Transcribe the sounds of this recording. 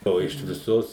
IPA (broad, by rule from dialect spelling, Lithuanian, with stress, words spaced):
ˈoː ɪʃ ʋʲɪˈsoːs